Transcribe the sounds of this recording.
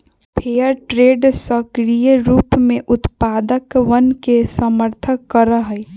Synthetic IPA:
pʰejəɾʈɾeːɖsəkɾijəɾuːpmẽʔʊt̪paːd̪əkʋənkesəməɾt̪ʰəkːəɾəɦəj

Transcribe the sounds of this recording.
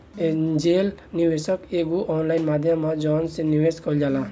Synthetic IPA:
d͡ʒelniʋesɔkeɡuʔɔnlajnmad̪ʱjɔmːɔd͡ʒɔnseniweskɔd͡ʒala

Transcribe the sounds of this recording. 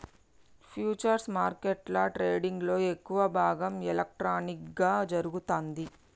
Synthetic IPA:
pʰjuːt͡ʃɐɾsmaːɾkeʈlɐʈɾeːɖiŋɡlo̞ːekːuʋɐbʱaːɡɐmɛlɐk̚ʈɾaːnikɡaːd͡ʒɐɾuɡut̪oːnd̪i

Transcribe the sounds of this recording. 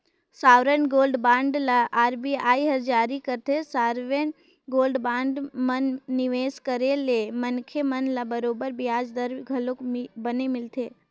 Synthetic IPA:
saːʋɾənɡoːlɖbãːɳɖlaʔaːɾbiaːiɦɐɾd͡ʒaːɾikəɾt̪ʰesaːɾʋen | ɡoːlɖbãːɳɖmənːɪʋeːskəɾelemənkʰemənlabəɾoːbəɾbɪjaːd͡ʒd̪əɾɡʱəlokbənemɪlt̪ʰeː

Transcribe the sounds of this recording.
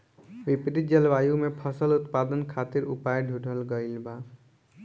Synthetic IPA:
bipɾid͡ʒʌlbajumepʰʌsəlut̪pad̪ənkʰat̪iɾupajɖʱuɖʱəlɡʌjlba

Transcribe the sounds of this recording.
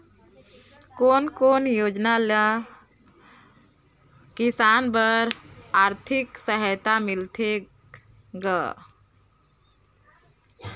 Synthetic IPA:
koːnkoːnjoːd͡ʒnalə | kisaːnbəɾaːɾt̪ʰiksəɦət̪amilt̪ʰe | ɡa

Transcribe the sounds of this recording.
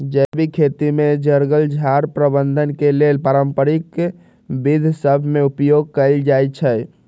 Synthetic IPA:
d͡ʒəbʱikʰet̪imed͡ʒəɾɡəld͡ʒʱaɾpɾəbənd̪ʱənkelelpaɾəmpəɾik | bid̪ʱsəbʱmeupjoɡ̚kəɪld͡ʒajt͡ʃʰə

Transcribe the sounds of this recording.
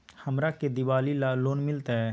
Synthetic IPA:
hɐmɾaked̪ɪʋaːlilaloːnmɪlt̪aɦɛː

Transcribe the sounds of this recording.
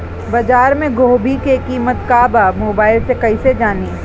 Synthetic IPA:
bɐd͡ʒaːɾmẽɡoːbʱikekiːmət̪kaːbaːmoːbaːɪlsekɐised͡ʒaːni

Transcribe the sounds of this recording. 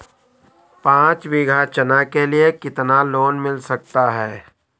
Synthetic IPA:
pãːt͡ʃʋɪɡʱat͡ʃənakeliekɪt̪naloːnmɪlsɐk̚t̪aɦɛː

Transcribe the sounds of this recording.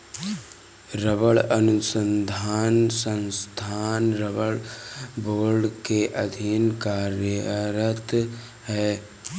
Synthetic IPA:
ɾəbəɭənʊsə̃nd̪ʱaːnsə̃nst̪ʰaːnɾəbəɭboːɾɖkeʔəd̪ʱinkaːɾəɾət̪ | ɦɛː

